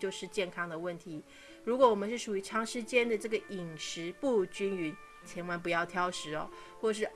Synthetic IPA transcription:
t͡ɕjo˥˧ʊʂɻ̩˥˧t͡ɕjɛ˥˩nkʰɑ˥ŋd̪ə˨wə˥˩nt̪ʰi˧˥˦ | ɻu˧˥kwɔ˧˦wɔ˨˩mə˦nʂɻ̩˥˩ʂu˨˩y˧˥ʈ͡ʂʰɑ˥ŋʂɻ̩˥˧t͡ɕjɛ˥nd̪ə˨ʈ͡ʂɤ˥˩ɡə˩i˨˩ŋʂɻ̩˧˥pu˥˧t͡ɕy˥ny˧˥n | t͡ɕʰjɛ˧˥nwa˥np̬u˧˥jɑ˥˩ʊt̪ʰjɑ˥ʊʂɻ̩˧˥ɐ̰˧˦ | xwɔ˥˩ʂɻ̩˥˩

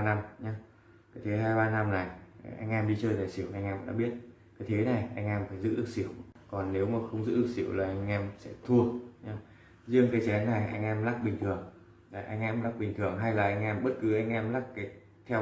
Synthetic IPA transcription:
a˧na˧mɲaː˨˦ | kaː˨˦jt̪ʰe˨˦ɦaː˧jɓaː˧na˧mna˨˩jʔa˧jŋ̟ʔɛ˧mɗi˧t͡ɕəː˧jɗaː˨˩jsḭ˧˩əwʔa˧jŋ̟ʔɛ˧mva̰˧˦nɗ̰ɓi˦˥ət̚ | kaː˨˦jt̪ʰe˨˦na˨˩jʔa˧jŋʔɛ˧mfaː˧˩jzɨ̰˧˥ɗɨ˨˩ək̚sḭ˧˩əwkɔ˨˩nne˨˦wmaː˨˩xə˧wŋ͡mzɨ̰˧˥ɗɨ˨˩ək̚si˧˩əwlaː˨˩ʔa˧ŋ̟ʔɛ˧msɛ̰˧˥t̪ʰu˧əɲa˨˧˦ | zɨ˧əŋkaː˨˦jt͡ɕɛ˨˦nːa˨˩jʔa˧jŋ̟ʔɛ˧mlaː˦˥k̚ɓï˨˩ŋ̟t̪ʰɨ˨˩əŋ | a˨˩ʔa˧jŋʔɛ˧mlaː˦˥k̚ɓï˨˩ŋ̟t̪ʰɨ˨˩əŋɦa˧jlaː˨˩ʔa˧jŋ̟ʔɛ˧mɓə˦˥t̚kɨ˨˦ʔa˧jŋ̟ʔɛ˧mlaː˦˥k̚kaː˨˦ | t̪ʰɛ˧w

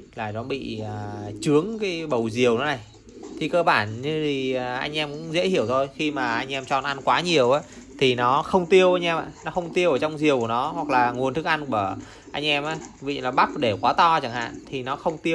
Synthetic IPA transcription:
laː˨˩ɗɔ˨˦ɓḭ˧˨ə˨˩t͡ɕɨ˨˦əŋkaː˨˦jɓə˨˩wzi˨˩əwnɔ˨˦na˨˩j | t̪ʰi˨˩kəː˧ɓaː˧˩nɲɨ˧t̪ʰi˨˩˨ʔa̰˧jŋ̟ʔɛ˧mkʊ̰˧˥ŋ͡mzḛ˧˥hi˧˩əwt̪ʰo˧jxi˧maː˨˩ʔa˧jŋ̟ʔɛ˧mt͡ɕɔ̰˧˨˩nʔa˧nkwaː˨˦ɲi˨˩əwʔaː˨˦t̪ʰi˨˩nɔ˨˦xə˧wŋ͡mt̪i˧əwʔa˧jŋ̟ʔɛ˧mʔa̰ː˧˨˩nɔ˨˦xə˧wŋ͡mt̪i˧əwʔəː˧˩t͡ɕɔ˧wŋ͡mzi˨˩əwkːənɔ˨˦hwa˨˩k̚laː˨˩ŋu˨˩ənt̪ɨ˦˥k̚a˧nku˧˩˨ə˧˩ | ʔa˧jŋ̟ʔɛ˧mʔaː˨˦jvḭ˧˨laː˨˩ɓa˦˥p̚ɗe˧˩kwaː˨˦t̪ɔ˧t͡ɕa˧˩ŋha̰ː˧˨nt̪ʰi˨˩nɔ˨˦xə˧wŋ͡mt̪i˧əw

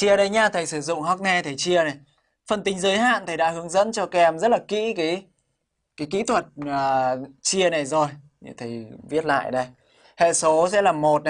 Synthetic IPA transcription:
t͡ɕi˧əɗə˧jɲaː˧t̪ʰə˨˩jsɨ˧˩zʊ̰˧˨ŋ͡mɦɔ˦˥k̚nɛ˧t̪ʰə˨˩jt͡ɕi˧əna˨˩j | fə˨˩nt̪ï˨˦ŋ̟zəː˨˦jɦa̰ː˧˨nt̪ʰə˨˩jɗa̰ː˧˥hɨ˨˦əŋzə̰˧˥nt͡ɕɔ˧kɛ˧mzə˦˥t̚laː˨˩kḭ˧˥kaː˨˦j | kaː˨˦jkḭ˧˥t̪ʰwə˨˩t̚əː˨˩t͡ɕi˧əna˨˩jzo˨˩j | ɲ̰˧˩t̪ʰə˨˩jvi˦˥ət̚la̰ː˧˨jɗə˧j | hḛ˧˨so˨˦sɛ̰˧˥laː˨˩mːo˨˩t̚na˨˩

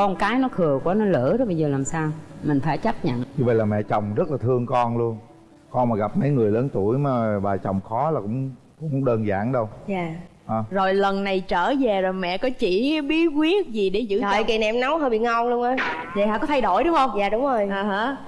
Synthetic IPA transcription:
kɔ˧nkaː˨˦jnɔ˨˦kʰɨ˨˩əkwaː˨˦nɔ˨˦lə̰˧˥zɔ˨˦ɓə˧zəː˨˩laː˨˩msaː˧wmï˨˩ŋ̟faː˧˩jt͡ɕa˦˥p̚ɲə̰˧˨nɲu˧və̰˧˨jlaː˨˩mɛ̰˧˨t͡ɕə˨˩wŋ͡mzə˦˥t̚laː˨˩t̪ʰɨ˧əŋkɔ˧nlu˧ən | kɔ˧nmaː˨˩ɣa˨˩p̚mə̰˨˧˦jŋɨ˨˩əjləː˨˦nt̪u˧˩əjmaː˨˩ɓaː˨˩t͡ɕə˨˩wŋ͡mxɔ˨˦laː˨˩kʊ̰˧˥ŋ͡mkʊ̰˧˥ŋ͡mɗəː˧nza̰ː˧˩nɗə˧wjaː˨˩ʔəː˨˩zo˨˩jlə˨˩nːa˨˩jt͡ɕəː˧˩zɛ˨˩zo˨˩jmɛ̰˧˨kɔ˨˦t͡ɕḭ˧˩ɓi˨˦˥əkwi˦˥ət̚zi˨˩ɗe˧˩zɨ̰˧˥ə˨ki˨˩nɛ̰˧mna˨˦whəː˧ɓḭ˧˨ŋa˧wŋ͡mlu˧əŋʔaː˨˦ | zə˨˩ha̰ː˧˨kɔ˨˦t̪ʰa˧jɗo̰˧˩jɗʊ˨˦ŋ͡mhə˧wŋ͡mjaː˨˩ɗʊ˨˦wŋ͡mzo˨˩jʔəː˨˩ɦə˧˦

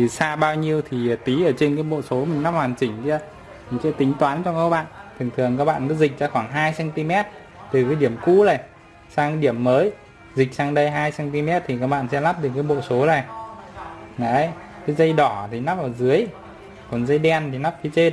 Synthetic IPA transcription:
i˨˩saː˧ɓaː˧wɲi˧əwt̪ʰi˨˩˨t̪i˨˦ʔəː˧˩t͡ɕe˧nkaː˨˦jɓo̰˧˨so˨˦mï˨˩ŋ̟na˦˥p̚hwaː˨˩nt͡ɕï˧˩ŋ̟t̪i˧ | mï˨˩ŋ̟sɛ̰˧˥t̪ï˨˦ŋ̟t̪waː˨˦nt͡ɕɔ˧ka˧˥k̚ɓa̰ː˧˨nt̪ʰɨ˨˩ŋt̪ʰɨ˨˩əŋkaː˦˥k̚ɓa̰ː˧˨kɨ̰˧˦zï˨˩k̚zaː˧xwaː˧˩nɦaː˧jsɛ˧nt̪i˧mɛ˦˥t̚ | t̪ɨ˨˩kaː˨˦jɗi˧˩əmku˧la˨˩j | saː˧ŋkɗi˧˩əmːəː˨˦j | zi˨˩k̟̚saː˧ŋɗə˧jɦaː˧jsɛ˧nt̪i˧mɛ˦˥t̚t̪ʰi˨˩kaː˦˥k̚ɓa̰ː˧˨nsɛ̰˧˥la˦˥p̚ɗɨ˨˩ək̚kːaː˨˦jɓo̰˧˨so˨˦za˨˩ | na˨˦j | kə˨˦zə˧jɗɔ˧˩t̪ʰi˨˩na˦˥p̚ʔaː˨˩zɨ˨˦əj | kɔ˨˩nzə˧jɗɛ˧nt̪ʰi˨˩na˦˥p̚kʰi˨˦t͡ɕe˧

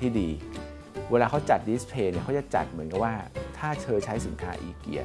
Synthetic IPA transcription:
iː˥˩diː˧ | weː˧laː˧kʰa˦˥wt͡ɕa˨˩t̪̚di˦˥spʰeː˧ni˥˩kʰa˦˥jt͡ɕa˨˩ŋt͡ɕa̰˨˩t̪̚mɯ˩˦nka˨˩p̚waː˥˩t̪ʰaː˥˩t͡ɕʰɤː˧t͡ɕʰa˦˥jsi˩˦nkʰaː˦˥ʔḭː˧kḭ˨˩ə

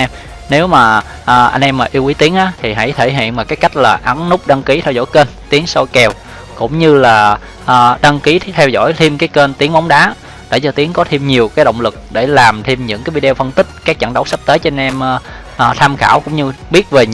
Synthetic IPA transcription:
ɛ˧m | ne˨˦wmaː˨˩ | ʔaː˨˩ʔa̰˧jŋnʔɛ˧mːaː˨˩ʔi˧əwʔi˨˦t̪i˨˦əŋʔaː˨˦t̪ʰi˨˩ɦa̰˧˥jt̪ʰe˧˩ɦḭ˧˨ənmaː˨˩kaː˨˦jka˦˥jk̟̚laː˨˩ʔa˨˦nnʊ˦˥k͡p̚ɗa˧ŋki˨˦t̪ʰɛ˧wzɔ̰˧˥˩jke˧nt̪i˨˦əŋso˧jkɛ˧˨˩w | kʊ̰˧˥ŋ͡mɲɨ˧laː˨˩ | ʔaː˨˩ɗa˧ŋki˨˦t̪ʰɛ˧wzɔ̰˧˥˨jt̪ʰi˧mkaː˨˦jke˧nt̪i˨˦əŋma˨˦wŋ͡mɗaː˨˦ | ɗḛ˧˩t͡ɕɔ˧t̪i˨˦əŋkɔ˨˦t̪ʰi˧mɲi˨˩əwkaː˨˦jɗə̰˧˨wŋ͡mlɨ˨˩k̚ɗe˧˩laː˨˩mt̪ʰi˧mɲɨ̰˧˥ŋkaː˨˦jvi˧ɗe˧wfə˧nt̪ï˦˥k̟̚kaː˦˥k̚t͡ɕə̰˧˩nɗə˨˦wsə˦˥p̚t̪əː˨˦jt͡ɕɔ˧a˧nʔɛ˧m˧ | ʔːt̪ʰaː˧mxaː˧˩wkʊ̰˧˥ŋ͡mɲɨ˧ɓi˦˥ət̚ve˨˩

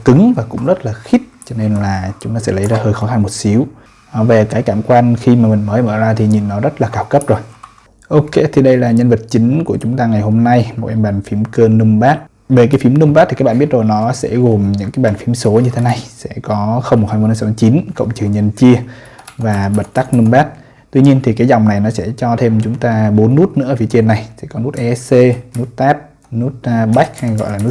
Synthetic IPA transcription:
kɨ˨˦ŋvaː˨˩kʊ̰˧˥ŋ͡mzə˦˥t̚laː˨˩xi˦˥t̚t͡ɕɔ˧ne˧nlaː˨˩t͡ɕʊ˨˦ŋ͡mt̪aː˧sɛ̰˧˥lə˨˦jzaː˧həː˧jxɔ˨˦xa˧nmo˨˩t̚si˨˦əw | ve˨˩kaː˨˦jkaː˧˩mkwaː˧nxi˧maː˨˩mï˨˩ŋ̟məː˨˦jməː˧˩zaː˧t̪ʰi˨˩ɲi˨˩nːɔ˨˦zə˦˥t̚laː˨˩kaː˨˩wkə˦˥p̚zo˨˩j | ʔo˧ke˧˦t̪ʰi˨˩ɗə˧jlaː˨˩ɲə˧nvə˨˩t̚t͡ɕï˨˦ŋ̟ku˧˩ət͡ɕʊ˨˦ŋ͡mt̪aː˧ŋa˨˩jho˧mna˧jmo˨˩t̚ʔɛ˧mɓaː˨˩ŋfi˨˦əmkəː˧nɨ˧ŋ͡mɓaː˦˥t̚ | ve˨˩k̬aː˨˦jfi˨˦mnɨ˧ŋ͡mɓa˦˥t̪̚ʰi˨˩kːɓːɓi˦˥t̚zo˨˩jnɔ˨˦sɛ̰˧˥ɣo˨˩mɲɨ̰˧˥ŋkaː˨˦jɓaː˨˩nfi˨˦mso˨˦ɲɨ˧t̪ʰe˨˦na˨˧˩jsɛ̰˧˥kɔ˨˦xə˧wŋ͡mmo˨˩haː˧jm˧n˧˨˧st͡ɕi˨˦nkə̰˧˨wŋ͡mt͡ɕɨ˨˩əŋɲə˧˩nt͡ɕi˧əvaː˨˩ɓə˨˩t̚t̪a˦˥k̚nɨ˧ŋ͡mɓaː˦˥t̚ | t̪wi˧ɲi˧ənt̪ʰi˨˩kaː˨˦jza˨˩wŋ͡mna˨˩jnɔ˨˦sɛ̰˧˥t͡ɕɔ˧t̪ʰe˧mt͡ɕʊ˨˦ŋ͡mt̪aː˧ɓo˨˦nːu˦˥t̚nɨ̰˧˥əː˨fi˨˦t͡ɕi˧ənːa˨˩jsɛ̰˧˥kɔ˨˦nu˦˥t̚ʔɛ˧˦˥sse˧nu˦˥t̚t̪aː˦˥p̚ | nu˦˥t̚ːɓa˦˥jk̚ha˧jɣɔ̰˧˨laː˨˩nu˦˥

